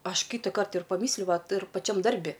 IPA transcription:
ˈɐʃ ˈkʲiːtɐkɐrt ɪr pɐˈmʲiːsʲlʲʊ ˈʋɐt ɪr pɐˈt͡ʃʲɛm ˈdɐrʲbʲɪ

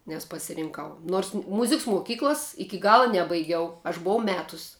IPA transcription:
nʲɛs pɐsʲɪrʲɪŋˈkɐʊ noːrs ˈmʊzʲɪks mʊˈkʲiːklˠɐs ˈɪkʲɪ ˈɡɑːlˠɐ ˈnʲæːbɐɪɡʲɛʊ ɐʃ bʊˈʋɐʊ ˈmʲæːtʊsʲ

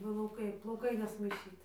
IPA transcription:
plˠɐʊˈkɐɪ plˠɐʊˈkɐɪ nʲɛsmɐɪˈʃʲiːt

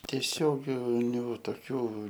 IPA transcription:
tʲiɛˈsʲoːɡʲɪnʲʊ toːˈkʲuː

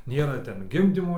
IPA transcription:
ˈnʲeːrɐ ˈtʲɛn ˈɡʲɪmʲdʲiːmoː

